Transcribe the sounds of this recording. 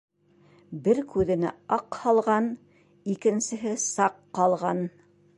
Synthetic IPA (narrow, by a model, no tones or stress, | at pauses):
bɘɾkʉðɘ̆næ̰ɑqhɑlˠʁɑn | ikɘ̆nsɘ̆ɦɘsɑqːɑlˠʁɑn